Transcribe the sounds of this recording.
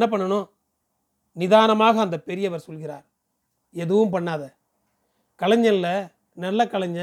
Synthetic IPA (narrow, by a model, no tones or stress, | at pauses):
ɐp̬ːɐɳːɐnõː | nɪðaːnɐmaːɣɐːnd̪ɐpɛɾɪjɐʋɐɾsɔlɣɪɾa̰ːɾ | ɛðɯʋɯmpɐɳːaːðɐ | kɐlɐɲd͡ʒɐnlɐ | nɐlːɐkɐɭɐɲd͡ʒɐ